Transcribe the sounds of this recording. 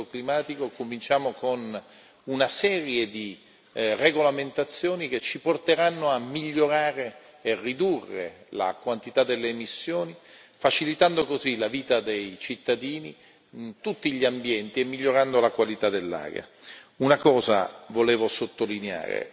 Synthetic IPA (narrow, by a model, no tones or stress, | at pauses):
oklimaːt̪ikokomint͡ʃaːmokon | unasɛːɾjed̪i | reɡolament̪at̪sːjoːnik̟et͡ʃːiport̪eɾanːoamːiʎːoɾaːɾe | erːid̪urːḛla̰kwant̪it̪ad̪ːelːeːmisːjoːnifat͡ʃilit̪and̪okozilaviːt̪ad̪ejt͡ʃit̪ːad̪iːni | t̪ut̪ːiʎiambjɛnt̪iemːiʎːoɾand̪olakwalit̪ad̪ːelːa̰ːɡa̰unakɔːza̰voleːvosot̪ːolinea̰ːɾḛ